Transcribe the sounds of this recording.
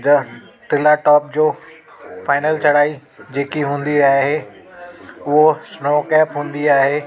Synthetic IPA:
d̪ɐ | t̪ɪlaʈɔːp̚d͡ʑoː | faːɪnəlt͡ɕʰɐɽaːid͡ʑeːkiɦũːnd̪iaːɦɦe | ʊɦosnoːkɛːpɦũːn̆d̪iaːɦeː

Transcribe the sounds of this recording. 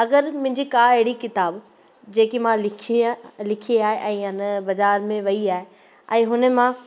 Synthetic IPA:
ɐɡəɾmʊ̃ɦɪ̃ɲd͡ʑikaɐɦɪɽikɪt̪aːb | d͡ʑeːkimãlɪkʰlɪkʰeaːɦeʔɛ̃ːɐnbɐzaːɾmẽʋɐiaːɦe | ɛ̃ːɦʊnəmã

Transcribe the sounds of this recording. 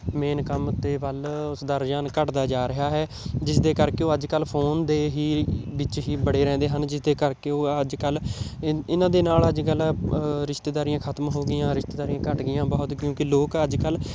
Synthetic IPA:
meːnkəmt̪eːʋəlʊsd̪aɾd͡ʒaːnkəʈd̪aːd͡ʒaːɾɪɦaːɦɛː | d͡ʒɪsd̪eːkəɾkeoːəd͡ʒkəlpʰoːnd̪eːɦiːbɪt͡ʃɦiːbəɽeːɾɛ̃ːnd̪eːɦənd͡ʒɪsd̪eːkəɾkeːoːəd͡ʒkəl | ɪnãːd̪eːnaːləd͡ʒkəlɾɪʃt̪eːd̪aːɾijãːkʰət̪mɦoːɡɪjãːɾɪʃt̪eːd̪aːɾijãːkəʈɡɪjãːbɔːʊt̪kjõːkɪloːkəd͡ʒkəl

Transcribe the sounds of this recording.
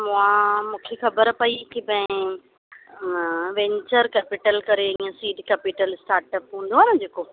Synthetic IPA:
mʊ̃ãmũːkʰexɐbəɾpɐikipɐ̃ɪ̃ | ʋẽːɲt͡ɕəɾkɛːpiʈəlkɐɾeiːə̃siːɖkɛːpiʈəlsʈaːɾʈəpɦũːnd̪oɦaːnɐd͡ʑeːko

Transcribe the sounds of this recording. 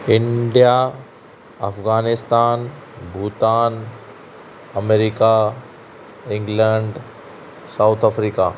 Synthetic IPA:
ɪɳɖija | ɐfɣaːnɪst̪aːn | bʱuːt̪aːn | ɐmeɾika | ɪ̃ŋɡlɛɳɖ | saʊt̪ʰafɾiːka̰

